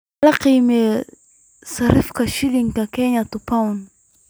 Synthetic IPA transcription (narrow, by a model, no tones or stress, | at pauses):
laqimɛ | saɾifkaʃiliŋkakɛɲat̪upaun